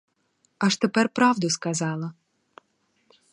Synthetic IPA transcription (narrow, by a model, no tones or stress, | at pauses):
ɑʃt̪epɛrpɾɑwd̪ʊskɐzɑlˠɐ